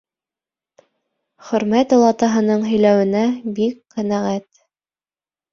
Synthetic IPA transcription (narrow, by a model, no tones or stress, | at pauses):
χɵ̆ɾmæt̪ŏlˠɑt̪ɑɦɤ̆nɤɴɦɵ̆jlæwɘ̆næbikqænæʁæt̪